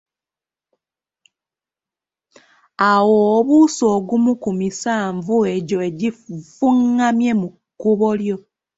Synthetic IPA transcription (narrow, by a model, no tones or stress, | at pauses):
awoβuso̞ːɡumukumisaːɱvue̞ɟo̞eɟifuŋːamje̞mukːuβo̞ljo̞